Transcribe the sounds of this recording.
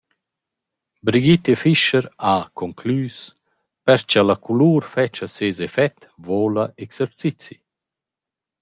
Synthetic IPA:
bɾiɡit̪efiʃəɾakɔŋklyːs | pɛɾt͡ʃalakuluːɾfɛt͡ʃaseːzefɛt̪ | voːlaʔeksɛɾt͡sit͡si

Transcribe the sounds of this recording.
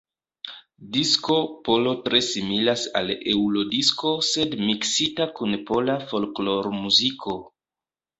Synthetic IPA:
disko̞po̞lo̞tɾe̞similasa̰le̞ulo̞disko̞se̞dmiksitakunpo̞lafo̞lklo̞ɾmuzikʰo̞

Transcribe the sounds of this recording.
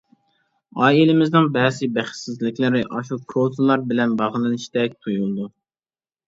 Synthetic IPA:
ɑːjilɪmɪznɨŋbɛːzɪbæχsɪzlɪkʲlɪɾɪʔɑʃukʰot̪ʰɨlˠːɑɾbɪlɛnbɑʁlˠɨnɨʃt̪ɛk̚ʲt̪ʰujulˠɨd̪u

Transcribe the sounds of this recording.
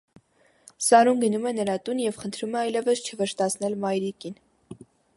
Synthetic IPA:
sɑɾumɡənumɛnəɾɑt̪unjɛvχənt̪ʰɾumɛɑjlɛvəst͡ʃʰəvɛɾst̪ɑt͡sʰnɛlmɑjɾikin

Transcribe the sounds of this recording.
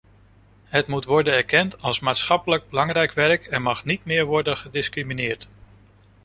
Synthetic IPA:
ɦətmutʋɔɹdənɛɹkɛntɑlˠsmaːtsχɑpələɡ̚bəlɑŋrɛjkʋɛɹəkɛnmɑχnitmɪːɹʋɔɹdənχədɪskriminɪːɹt

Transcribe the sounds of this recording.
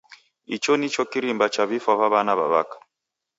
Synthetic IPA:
it͡ʃɔnit͡ʃɔkiɾimbat͡ʃaβifaβaβanaβa̰βakḁ

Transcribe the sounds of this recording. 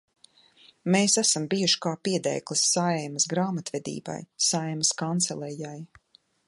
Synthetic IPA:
meːsæsambijuʃi̥kaːpiɛd̪ɛ̰jklˠisːaɛjmɐsɡɾaːmat̪vɛd̪ḭːba̰jsaɛjmɐskant̪sɛlˠɛjaj

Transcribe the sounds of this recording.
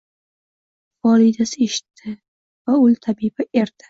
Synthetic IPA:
fɒlid̪asɪe̞ʃɪ̥t̪ʰːɪ | vaʊlt̪ʰabibaʔe̞ɾd̪̥ɪ̥

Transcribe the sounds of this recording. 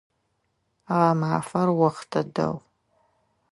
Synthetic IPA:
aʁamʕafɐrwɐχtʰɐdɐ̰w

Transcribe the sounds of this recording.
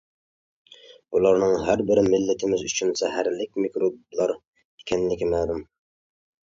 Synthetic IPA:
ulˠɑɾnɨŋɦæɾbɪɾɪmɪlːɪt̪ʰɪmɪzyt͡ʃʰynsɛɦæɾlɪk̚ʲmikɾub̚lˠɑɾ | e̥kʲʰɛnlɪkʲimæd̪ɪm

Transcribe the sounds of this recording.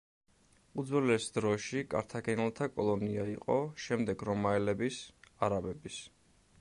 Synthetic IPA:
ud̪zwɛlɛsd̪ɾɔʃikʼa̰ɾt̪ʰaɡɛnɛlˠt̪ʰakʼɔlˠɔniaiqʼɔʃɛmd̪ɛɡɾɔmaɛlɛbisaɾabɛbis

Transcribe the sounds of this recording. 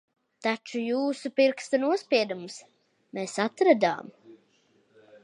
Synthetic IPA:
t̪at͡ʃujuːsupiɾkst̪anuɔspiɛd̪ums | mɛsat̪ɾad̪a̰ːm

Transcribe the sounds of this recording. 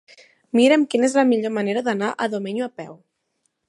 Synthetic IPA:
miɾemkinezlamiʎomaneɾaðanaʔaðomeɲuapɛ̰w

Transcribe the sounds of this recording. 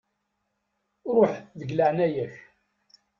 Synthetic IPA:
ɾʊħðəʝləʕnæjæç

